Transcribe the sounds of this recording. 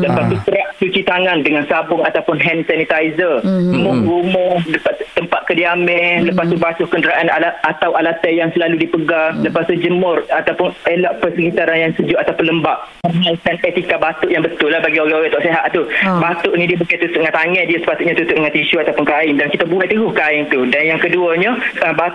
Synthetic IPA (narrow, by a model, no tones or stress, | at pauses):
ləpast̪ukəɾaʔsut͡ʃit̪aŋandəŋansabʊŋat̪awpʊnɦɛnsanit̪ajzərumʊhɡumʊhdəpat̪əmpat̪̚kədiamɛhləpast̪ubasʊhkəndəɾaʔanalaat̪awalat̪ɛjaŋsəlaludipəɡaləpast̪ud͡ʒəmʊrat̪awpʊnelaʔpəsəkit̪aɾanjaŋsəd͡ʒʊʔat̪awpʊnləmbaʔ | pərmaikanet̪ikabat̪ʊʔjaŋbət̪ʊlːahbaɡioɣɛoɣɛt̪ɔʔseɦaʔt̪ubat̪ʊʔnidiəbəkat̪ut̪ʊʔŋãt̪aŋɛdiəsə̥pat̪ʊt̪̚ɲat̪ut̪ʊʔŋãt̪iʃuat̪awpʊnkaɪndankit̪abuɛt̪əɡʊhkaɪŋt̪udanjaŋkəduəɲəba